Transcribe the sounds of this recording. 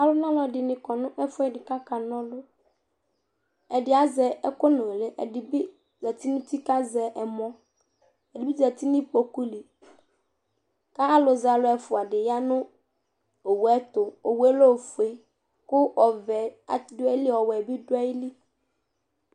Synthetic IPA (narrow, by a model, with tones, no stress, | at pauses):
a˨lʊ˦nã˦lɔ˨dɪ˨nɪ̃˨kɔ˨nʊ̃˦ʔɛ˦fʊ˦˨dɪ˨ka˦ka˨nɔ̃˦lʊ˦ | ɛ˨dɪ˨a˨zɛ˨ɛ˦kʊ˦nõ˨le˦ʔɛ̰˨dɪ˨bɪ˦ | zɛ˨t̪i˦nʊ̃˦t̪i˦ka˦zɛ˨ʔɛ˨mɔ̃˦ | ɛ˨dɪ˨bi˦zɛ˨t̪i˦nɪ̃˦po˨ku˦li˨ | ka˦a˦lʊ˨za˨lʊ˦ɛ˨fʊ˨a˨dɪ˨ja˦nʊ̃˦ | o˨wu˨˦ɛ˦t̪ʊ˨o˨wɛ˦lo˦˨fu˨e˨ | kʊ˦ɔ˨vɛ˨a̰˨˦dʊ˦ɛ˦ɪ˦lɪ˦ɔ˨wɛ˨bi˦dʊ˦ɛ˦ɪ˦li˦